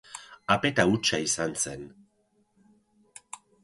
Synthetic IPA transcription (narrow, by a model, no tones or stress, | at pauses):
ape̞t̪aut͡ʃaisanse̞n